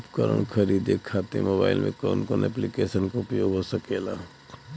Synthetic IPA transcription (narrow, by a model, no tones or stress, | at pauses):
pkəɾə̰ɳ̃kʰəɾiːd̪ekʰat̪emoːba̰ːɪlmʔḛ̃kɔːnkonɛplikeːsənkoʊpjoːɡɦosəkela̰